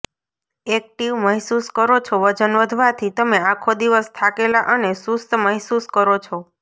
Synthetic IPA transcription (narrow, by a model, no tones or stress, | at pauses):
ek̚ʈiʋməɦsuskəɾot͡ʃʰoʋəd͡ʒənʋəd̪ʱʋat̪ʰit̪əmeakʰod̪iʋəst̪ʰakelaʔənesust̪məɦsuskəɾot͡ʃʰo